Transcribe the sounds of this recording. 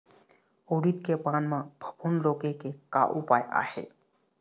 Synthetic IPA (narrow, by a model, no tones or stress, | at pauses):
oːɾit̪kepaːnmãbʱə̥bʱunɾoːkekeka̰ʔupaːja̰ːhḛ